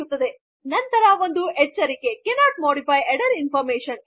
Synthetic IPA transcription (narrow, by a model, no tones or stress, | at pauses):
ut̪ːɐd̪e̞ | nɐnt̪ɐɾɐʋo̞nd̪uɛt͡ʃːɐɾike̞kenaːʈ̚moːɽipʰɐjeɽɐɾinpʰɐɾmeːʃɐn